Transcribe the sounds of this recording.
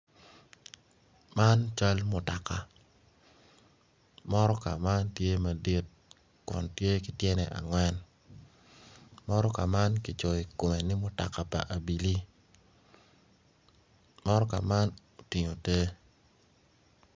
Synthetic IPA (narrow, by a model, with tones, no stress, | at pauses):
ma˦nt͡ʃa˦lmʊ˨ta˨ka˨ | mɔ˦ɾɔ˦ka̰˨ma˦ntje˦ma˨di˦t̚ | kʊ̰˨ntje˦kɪ˨tjɛ˦nɛ˨ʔa̰˨ŋwɛ˦n | mɔ˦ɾɔ˦ka˨ma˦nkɪ˨t͡ʃo˨i˨ko˨me˨nɪ˦mʊ˨ta̰˨ka˨pa̰˨ʔa˨bi˨li˦ | mɔ˦ɾɔ˦ka˨ma˦no˨ti˨ɲo˨te˦